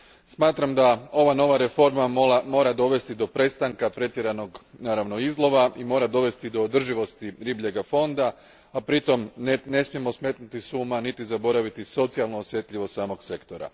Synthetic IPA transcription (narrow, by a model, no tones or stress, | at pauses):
smaːt̪ɾamd̪ao̞ʋano̞ʋaɾe̞fo̞ɾmamo̞ːɾad̪o̞ʋe̞st̪id̪o̞pɾe̞st̪aŋkapɾe̞t̪je̞ɾano̞ɡnaːɾaʋno̞izlˠo̞ʋaimo̞ːɾad̪o̞ʋe̞st̪id̪o̞ːd̪r̩ʒiʋo̞st̪iɾibʎe̞ɡafo̞nd̪a | apɾit̪o̞mne̞smije̞mo̞sme̞t̪nut̪isuːmanit̪izabo̞ɾaʋit̪iso̞t̪sialˠnoːsje̞t̪ʎʲiʋost̪saːmo̞ɡse̞kt̪o̞ɾa̰